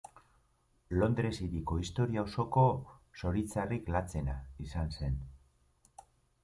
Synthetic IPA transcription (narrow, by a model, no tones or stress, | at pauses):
lo̞nd̪ɾe̞siɾiko̞ist̪o̞ɾiaowso̞ko̞so̞ɾit͡sariklat͡se̞naisanse̞n